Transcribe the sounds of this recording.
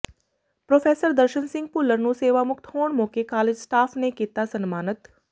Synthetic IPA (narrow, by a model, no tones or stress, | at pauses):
pɾoːfʰeːsəɾd̪əɾʃənsɪ̃ŋɡ̚pʊlːəɾnũseːʋamʊk̚t̪ʰɦoːɳ̃mõːkekaːled͡ʒsʈaːfʰnekiːt̪asɐnmaːnət̪